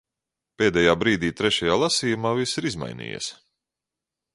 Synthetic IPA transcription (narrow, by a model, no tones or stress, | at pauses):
peːd̪ɛjaːbɾiːd̪iːt̪ɾɛʃajaːlˠasiːjumaːvisiɾizma̰jnḭːjɛ̰s